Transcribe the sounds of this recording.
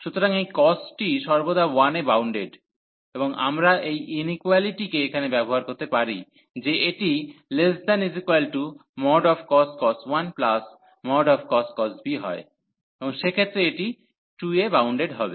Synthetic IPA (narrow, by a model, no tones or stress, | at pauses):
ʃut̪oɾaŋejkɔsʈiʃɔɾbod̪awanebawɳɖeɖ | eboŋa̰mɾaʔejʔinikwaliʈikeekʰanebɛboɦaɾkoɾt̪epaɾi | d͡ʑeeʈiles̬d̪ɛnizikwalʈumɔɖɔfkɔsʈkɔsʈwanplas | mɔɖɔfkɔsʈ̚kɔsbiɦɔ̰e | eboŋʃekʰet̪ːɾeeʈi | ʈuebawɳɖeɖɦɔbe